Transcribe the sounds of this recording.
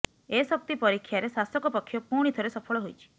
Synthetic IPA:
esɔp̚t̪ipɔɾikʰːjaɾesasɔkɔpɔkʰːjɔpuɽ̃id̪ʰʱɔɾesɔpʰɔɭɔɦojt͡ʃʰi̥

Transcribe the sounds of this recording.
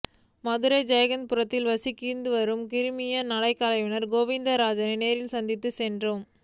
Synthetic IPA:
mɐðɯɾɐɪd͡ʒɐjɐɣɐnpʊɾɐt̪ːɪlʋɐsikːiːɾnd̪ɯʋɐɾɯmkɪɾɯmɪjɐnɐɽɐɪkːaːlɐɪʋɪnɐɾɡoːʋɪnd̪ɐɾaːd͡ʒɐnɐɪneːɾɪlsɐnd̪ɪt̪ːɯsɛndrɯm

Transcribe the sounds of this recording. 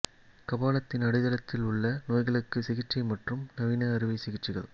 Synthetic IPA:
kɐbaːlɐt̪ːɪnɐɽɪðɐlɐt̪ːɪlʊɭːɐnoːjɣɐɭɯkːɯsɪɣɪʈt͡ʃɐɪmɐʈrɯmnɐʋinɐɐɾɪʋɐɪsɪɣɪʈrɪɣɐ̰ɭ

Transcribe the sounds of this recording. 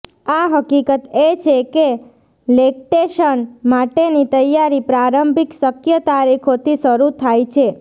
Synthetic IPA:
aɦəkikət̪et͡ʃʰeke | lek̚ʈeʃənmaʈenit̪əjaɾipɾaɾəmbʱiksəkʰjət̪aɾikʰot̪ʰiʃəɾut̪ʰajt͡ʃʰe

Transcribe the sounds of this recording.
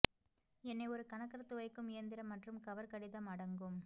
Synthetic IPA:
ɛnːɐɪɔɾɯkɐnɐkːɐɾɐt̪ːɯʋɐɪkːɯmɪjɐnd̪ɪɾɐmːɐʈrɯmkɐʋɐɾkɐɽɪðɐmɐɽɐŋɡɯm

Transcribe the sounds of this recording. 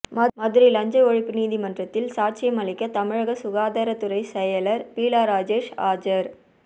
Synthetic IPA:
mmɐðɯɾilɐɲd͡ʒɐɔɻɪpːɯniːðimɐndrɐt̪ːɪlsaːʈ̚t͡ʃɪjɐmɐlɪkːɐt̪ɐmɪɻɐɣɐsʊɣaːðaɾɐt̪ɯɾɐɪsɛjɐlɐɾpiːlaːɾaːd͡ʒeːʂaːd͡ʒɐɾ

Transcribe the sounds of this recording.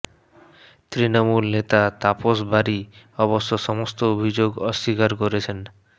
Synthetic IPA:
t̪ɾinomulnet̪at̪aposbaɾi | ɔboʃːoʃɔmost̪oobʱid͡ʑoɡɔʃːikaɾkoɾet͡ɕʰen

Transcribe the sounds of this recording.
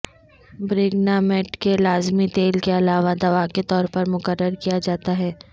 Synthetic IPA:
bɾɪːɡnamɛʈkelaːzmit̪eːlkeɐlaːʋad̪ɐʋaket̪ɔːɾpɐɾmʊkəɾːəɾkijad͡ʒaːt̪aɦɛː

